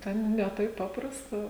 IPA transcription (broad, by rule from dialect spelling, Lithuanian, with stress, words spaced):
ˈtʲɛn nʲɛ ˈtɐɪp ˈpɑːprɐstɐ